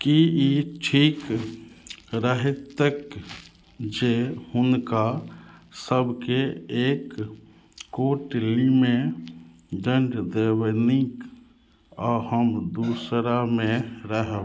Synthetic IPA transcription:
kiiʈʰiːk | ɾəɦet̪ːək | d͡ʒehʊnka | səbʱkeeːkː | oːʈlime | d͡ʒəɳɖd̪ewnik | ɔhəmd̪usɾamẽɾəɦə

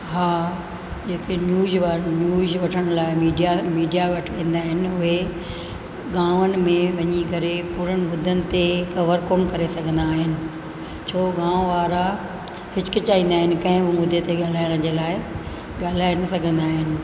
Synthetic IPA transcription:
ɦaː | d͡ʑeːkenjuːzʋanjuːzʋɐʈʰəɽ̃laːɪmiːɖijamiːɖijaʋɐʈʰĩːnd̪aːɦɪnɪ̆ʊɦe | ɡãːʋənɪ̆mẽʋɐɲikɐɾepuːɾəñɪ̆ʋʊd̪ʱənɪ̆t̪ekɐʋəɾkoːnkɐɾesɐɡʱə̃nd̪aːɦɪnɪ̆ | t͡ɕʰoːɡãːʋʋaːɾa | hɪt͡ɕɪ̥kɪt͡ɕaːɦĩːnd̪aːɦɪnɪ̆kɐ̃ɦɪ̃bɪmʊd̪ʱet̪eɠaːl̤aːjəɽ̃d͡ʑeːlaːɪ | ɠaːl̤aːenɐsɐɡʱə̃nd̪aːɦɪnɪ̆

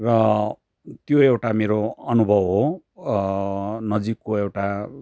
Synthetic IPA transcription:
rʌ | t̪joewʈameɾoʌnubʱʌbɦo | nʌd͡zikːoewʈa

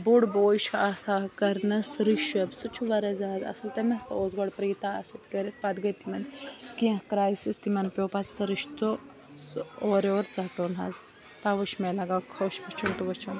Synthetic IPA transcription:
buɽboːjʃʰasaːkɐɾnɐsɾiʃɐbsɨt͡ʃʰuʋɐɾɐzaːzɐ̰sɐlt̪ɐmɐst̪oːzɡoɽpɾiːt̪aɐsit̪kɐɾit̪̚pɐd̪ɡɐjt̪imɐnkiɐ̃kɾaːjsist̪imɐnpʲjoːpat͡ssɐɾiʃt̪u | oːɾoːɾt͡sɐtoːnɦɐ̰z | t̪aːʋɐʃmelɐɡaːkʰɐːʃpɐt͡ʃʰunt̪uʋɐt͡ʃʰɐn

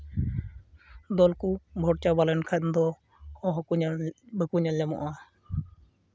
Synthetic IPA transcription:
d̪ɔlkubʱɔɽt͡ʃabalɛnkʰat̪nd̪ɔ | ɔɦkubʱəkuɲallɛmɔ̰ʔa

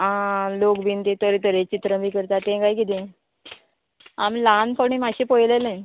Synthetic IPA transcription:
ɦãlokbint̪et̪əɾet̪əɾet͡ɕit̪ɾəbiːkəɾt̪at̪ẽkajkid̪ĩ | amlanpəɽ̃imaɕĩpojlelẽ

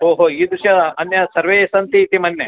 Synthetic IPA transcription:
ɦoːɦoːiːd̪uʃɐɐnjɐsɐɾʋeːsɐnt̪it̪imɐnjɐ

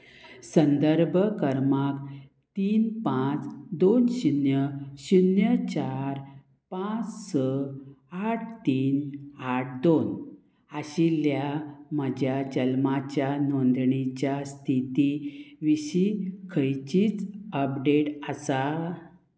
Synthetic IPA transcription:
sənd̪əɾbʱəkəɾmak | t̪iːnpãt͡sd̪onɕinjəɕinjət͡ɕaɾ | pãt͡ssəaʈʰt̪iːnaʈ̚ʰd̪on | aɕiljam̤əd͡ʑʱjad͡ʑəlmat͡ɕjanond̪ɳit͡ɕjast̪ʰit̪iʋiɕikʰəjt͡ɕiːt͡səpɖeʈəsa

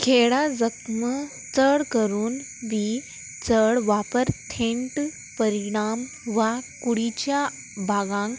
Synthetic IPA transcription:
kʰeɭad͡zəkmə | t͡səɭkəɾuːn | ʋi | t͡səɭʋapəɾt̪ʰẽɳʈ | pəɾiɽ̃am | ʋakuɽit͡ɕja | bʱaɡãŋk

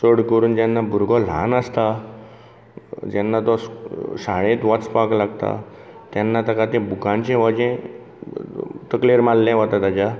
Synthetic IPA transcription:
səɽkəɾuːnd͡ʑɛ̃nːabuɾɡɔl̤ã̰nəst̪a | d͡ʑɛnːat̪ɔssaɭẽt̪ʋat͡spaklaɡt̪a̰ | t̪ɛnːat̪əkat̪ẽbʱukãnt͡ɕẽʋɔd͡ʑẽ | t̪əkleɾmalːɛ̃ʋɔt̪at̪ad͡ʑa

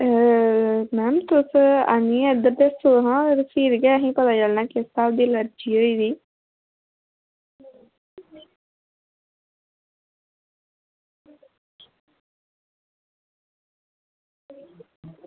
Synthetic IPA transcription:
mɛːmt̪ʊsa̰nĩːəd̪əɾd̪est̪oɦãːɾsiːɾɡɛːəɦĩːpət̪aːd͡ʒəlnãːkɪst̪aːd̪iːləɾd͡ʒiːɦoiːd̪iː

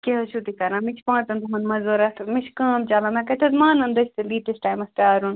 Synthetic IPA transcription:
keɦɐt͡ʃʰut̪ikɐɾãːmit͡ʃʰpãːt̪ɐnd̪ɐmɐ̃nmɐzoːɾɐt̪ʰmit͡ʃʰkãːmt͡ʃaːlãmẽkɐʈʰɐzmãːnɐnd̪ɐt͡ʃʰʲt̪ɐliːʈesʈaːjmɐsʈaːɾun

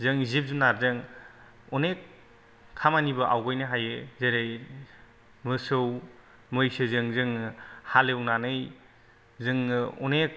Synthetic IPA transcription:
zɯŋzip̚zunaɾzɯŋ | ɔnek̚ʰː | amanibɐʔawɡɔjnɯɦajezeɾej | mɯsɯw | mɯjsɯzɯŋzɯŋhalewnanɯj | zɯŋːɯɔ̰nek̚

